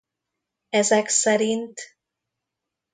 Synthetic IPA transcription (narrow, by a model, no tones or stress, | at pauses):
ɛzɛksɛɾint̪